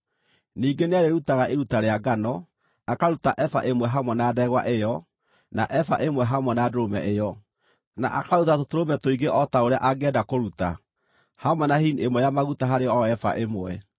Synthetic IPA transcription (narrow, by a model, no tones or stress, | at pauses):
niːɡeneaɾeɾutaɣaʔeɾutaɾeaɡanɔ | akaɾutaʔɛfa̰ʔemwɛɦamwɛnaːdɛɣwa̰ʔejɔ | naʔɛfaʔemwɛɦamwɛnadoɾomɛ̰ʔejɔ | na̰ʔakaɾutatotoɾomɛtoiɡeʔɔtaoɾea̰ʔaɡɛːdakoɾuta | hamwɛnahiniemwɛjamaɣutaɦaɾeɔɛfa̰ʔemwɛ